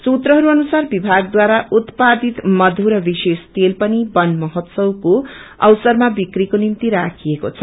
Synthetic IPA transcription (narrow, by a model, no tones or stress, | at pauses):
t͡sut̪ɾʌɦʌɾuʌnusarbibʱaɡ̚d̪waɾaʔut̪pad̪it̪mʌd̪ʱuɾʌbisest̪elpʌnibʌnmʌɦʌt̪sʌwkoʌ̰wsʌrmabikrikonimt̪iɾakʰijeko̰t͡sʰʌ